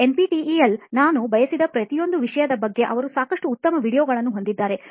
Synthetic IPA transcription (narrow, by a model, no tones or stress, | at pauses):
e̞npiʈiielnaːnubɐjɐsid̪ɐpɾɐt̪ijo̞nd̪uʋiʂɐjɐd̪ɐbɐɡːe̞ʔɐʋɐɾusaːkɐʂʈuːt̪ːɐmɐʋiːɽijoːɡɐɭɐnːuɦo̞nd̪id̪ːaːɾe̞